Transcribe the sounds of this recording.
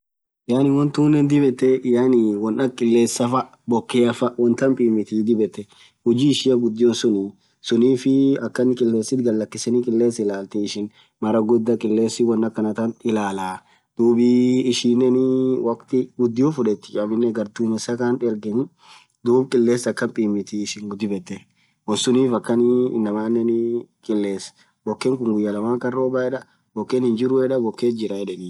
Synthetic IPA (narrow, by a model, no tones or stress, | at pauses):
jaːnɪwɔnt̪uːnːɛnd̪ɪbɛt̪ːɛjaːniwɔnʔɐkʼɪlːeːsːɐfɐ | bɔkːeɐfɐwɔnt̪ɐmpʼiːmɪt̪id̪ɪbɛt̪ːɛ | hʊd͡ʒiːɪʃɪjɐɡʊd̪ːɪjɔnsʊni | sʊniːfɪɐkːɐnɪkʼɪlːeːsːɪt̪ɡɐlːɐkːɪsɛnɪkʼɪlːeːsɪlaːlt̪ɛɪʃɪn | mɐɾɐɡʊd̪ːɐkʼɪlːe̞ːsːɪwɐnːɐkːɐnɐt̪ɐnɪlaːlaː | d̪̥uːbiːʃiːnːɛnɪwɐkt̪ɪɡʊd̪ːɪjufʊᶑɛt̪ːɪt͡ʃɐmɪnːɛɡɐɾd̪uːmɛsɐkaːnᶑɛɾɡɛnɪ | d̪uːbkʼɪlːeːsɐkːɐmpʼiːmːɪt̪iɪʃɪŋɡʊd̪ːɪbɛt̪ːɛ | wɔnsʊniːfɐkːɐnɪ̰nːɐmaːnːɛnɪkʼɪlːe̞ːs | bɔkːɛŋkʊŋɡʊjːɐlɐmaːkɐrːoːbaːɛᶑɐ | bɔkːenhɪnd͡ʒɪɾʊɛᶑɐbɔkːeːt̪d͡ʒɪɾɐɛᶑɛniː